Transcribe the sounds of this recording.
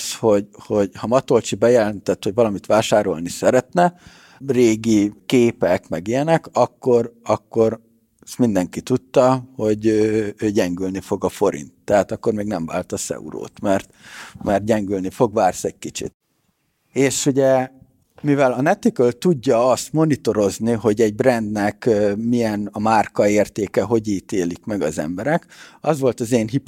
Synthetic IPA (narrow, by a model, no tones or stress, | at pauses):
sho̞ɟho̞ɟhɒmɒt̪o̞lt͡ʃibɛjɛlɛnt̪ɛt̪ːho̞ɟvɒlɒmit̪ʋaːʃaːɾo̞̰lnisɛɾɛt̪nɛ | reːɡikeːpɛkmɛɡijɛnɛkɒkːo̞ɾɒkːo̞ɾ | smind̪ɛŋkit̪ut̪ːɒho̞ɟøːøːɟɛŋɡylnifo̞ɡɒfo̞ɾḭnt̪ːɛɦaːt̪ɒkːo̞rmeːɡnɛɱva̰ːlt̪ɒsɛ̰ṵɾo̰ːt̪mɛrt̪mɛrt̪̚ɟɛŋɡylnifo̞ɡʋaːrsɛɟ̚kit͡ʃḭt̪ | eːʃuɟɛ | mivɛlɒnɛt̪ikølt̪uɟːɒɒst̪mo̞nit̪o̞ɾo̞zniɦo̞ɟɛɟ̚brɛnd̪nɛkømijɛnɒmaːrkɒeːrt̪eːkɛɦo̞ɟiːt̪eːlikmɛɡɒzɛ̰mbɛɾɛkɒzʋo̞lt̪ɒzeːnɦip